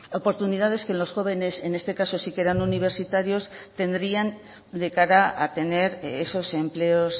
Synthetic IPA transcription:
o̞po̞ɾt̪unið̞aðe̞ske̞nlo̞sxo̞β̞e̞ne̞se̞ne̞st̪e̞kaso̞sike̞ɾanuniβ̞e̞ɾsit̪aɾjo̞st̪e̞nd̪ɾian | d̪e̞kaɾaat̪e̞ne̞ɾeso̞se̞mple̞o̞s

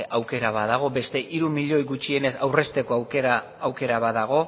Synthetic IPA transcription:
ʔawke̞ɾaβaðaɣ̞o̞be̞st̪e̞ʔiɾumiʎo̞jɣut͡ʃie̞ne̞sawre̞st̪e̞ko̞awkeɾa | awke̞ɾaβaðaɣ̞o̞

